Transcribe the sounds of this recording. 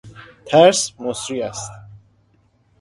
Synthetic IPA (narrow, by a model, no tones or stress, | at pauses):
t̪ʰɛɾsmɔsɾiast̪